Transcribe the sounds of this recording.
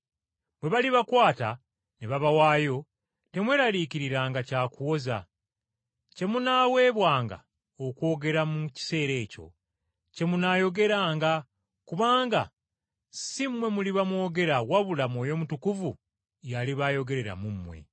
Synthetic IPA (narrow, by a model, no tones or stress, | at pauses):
bwe̞βaliβakwaːta | neβaβawaːjo̞ | te̞mwe̞ːɾaliciɾiɾaːŋɡacaːkuwo̞za̰ | ce̞munaːwe̞ːβwaːŋɡa̰ | okwo̞ːɡe̞ɾamuci̥se̞ːɾe̞ːco̞̰ | ce̞munajo̞ɡe̞ɾaːŋɡa | kuβaːŋɡa | simwe̞muliβamwo̞ːɡe̞ɾawaβulamo̞ːjo̞mutukuvu | jaliβajo̞ɡe̞ɾe̞ɾa̰mumːwe̞̰